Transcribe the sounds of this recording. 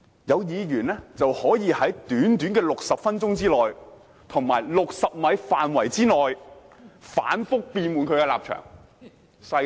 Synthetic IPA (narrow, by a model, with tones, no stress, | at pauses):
jɐ˨˧wjiː˨˧ɥyː˨˩nlɛː˥t͡sɐ˨whɔː˨˥jiː˨˧hɐ˨˥jt̪yː˨˥nt̪yː˨˥nkɛː˧lʊ˨k̚sɐ˨p̚fɐ˥nt͡ʃʊ˥ŋt͡siː˥lɔː˨˩j | t̪ʰʊ˨˩ŋmaː˨˩jlʊ˨k̚sɐ˨p̚mɐ˨˧jfaː˨nwɐ˨˩jt͡siː˥lɔː˨j | fa̰ː˨˥nfʊ˥k̚piː˧nmuː˨˧nkʰɵ˨˧ɥkɛː˧laː˨p̚t͡ʃʰœ̰ː˨˩ŋ | sɐ˧